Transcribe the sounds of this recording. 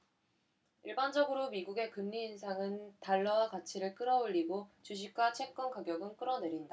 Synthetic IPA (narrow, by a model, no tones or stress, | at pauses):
iɭband͡ʑʌɡɯɾomiɡuɡe̞kɯnːiːns̬ʰaŋɯntaɭːʌkat͡ɕʰiɾɯɭk͈ɯɾʌoʎːiɡot͡ɕuɕ̬ʰik̚k͈wat͡ɕʰe̞k̚k͈ʌnkaɡjʌɡɯnk͈ɯɾʌne̞ɾinda